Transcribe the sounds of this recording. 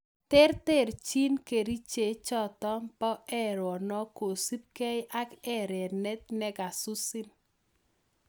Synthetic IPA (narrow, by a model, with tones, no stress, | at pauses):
tɛ˦ɾte˦˨ɾt͡ʃi˦nke˨ɾi˦t͡ʃe˨t͡ʃɔ˦˨t̪ɔ˦mpɔ˦ʔɛ˦ɾwɔ˨nɔ˦ko˨si˦p̚kɛ˦jʔa˦kɛ˦ɾɛ˨nɛ˦t̪̚nɛ˦ɡa˨su˦si˦n